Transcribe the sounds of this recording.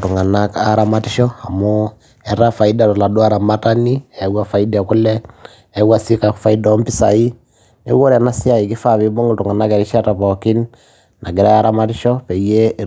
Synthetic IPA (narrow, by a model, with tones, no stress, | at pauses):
tu˨ŋa˨na˦ka˨ɾa˦ma˦ti˦ʃɔ˦a˨mu˦ | ɛ˨ɾa˦fa˨i˦da˨tɔ˨la˨du˦a˦ɾa˨ma˦ta˦ni˦ɛ˨wa˦fa˨i˦da˨ku˦lɛː˦ | wa˨si˦ka˨fa˦i˦da˨˦mpi˦sa˨i˦ | nḛ˦wo˦ɾɛ˨na˦si˦a˦˨i˨ki˦fa˦βi˦bo˦ŋu˨tu˨ŋa˨na˦ke˨ɾi˦ʃa˦ta˨pɔ˨ki˦n | na˨ɡi˨ɾa˦a˦ɾa˦ma˦ti˦ʃɔ˦pɛ˨je˦